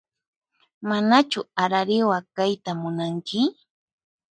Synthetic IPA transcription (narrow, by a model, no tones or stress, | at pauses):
manat͡ʃʊaɾaɾɪwakajt̪amʊnaŋkɪ